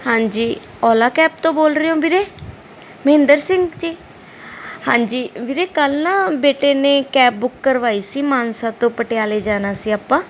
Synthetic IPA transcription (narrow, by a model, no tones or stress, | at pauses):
hãːɲd͡ʒiː | ɔːlaːkɛːp̚t̪õːboːlɾɪjõːbiɾeː | məɦɪ̃nd̪əɾsɪ̃ŋɡt͡ʃiː | hãːɲd͡ʒiːbiɾeːkəlnãːbeːʈeːneːkɛːp̚bʊkːəɾʋaːiːsiːmaːnsãːt̪õːpəʈejaːleːd͡ʒaːnaːsiːaːpːãː